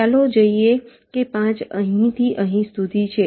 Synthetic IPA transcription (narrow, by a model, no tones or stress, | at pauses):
alod͡ʒəie | kepãt͡ʃə̰ɦĩt̪ʰiʔəɦĩst̪ud̪it͡ʃʰe